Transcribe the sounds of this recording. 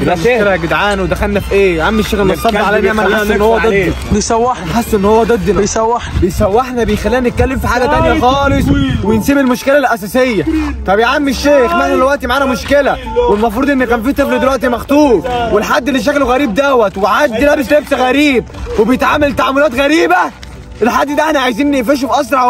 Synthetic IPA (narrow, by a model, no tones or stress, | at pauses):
æːlæɡed̪ʕaːnwed̪æxælnæfiʔeːjʕamːeʃːeːɣlmːt̪ːˤɑlʕalænaʕmæaːʔenːhowːæd̪e | bejsæwːeħnħasːʔenːhowːæd̪ˤed̪ːnejsæwːeħnbejsæwːeħnæbejxælːiːænet̪̚kælːemfiħaːɡæt̪ænjæxɑːlesˤwejensiːbelmoʃkelælʔæsæːsejːæfæbejʕamːeʃːeːxmeħnæelwæʔt̪imaʕaːnæmoʃkelæ | welmɑfɾud̪ʔenːqæmfiht̪ˤefɾed̪elwæʔt̪̬imɑxt̪ˤuːɾwelħad̪ːelːeʃ̬ækloɣæɾiːb̚d̪æwːæt̪weʕad̪ːilæbeʃleft̪ɣæɾiːb̚webejet̪ʕaːmelt̪aʕamːolæːt̪ɣæɾiːbæ | ʔelħad̪ːd̪æʔeħnæʕajziːnːefæːʃ̬efʔɑs̬ɾˤɑʕ